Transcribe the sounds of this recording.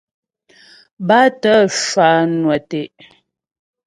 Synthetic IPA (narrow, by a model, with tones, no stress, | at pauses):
ba˦tə˦ʃa˨˦nwɛ˨te˨ʔ